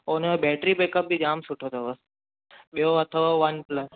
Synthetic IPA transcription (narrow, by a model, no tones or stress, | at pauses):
onobɛːʈɾibekəp̚bid͡ʒaːmsʊʈʰot̪ʰoʋəs | ɓijoɐt̪ʰoʋɐnpləs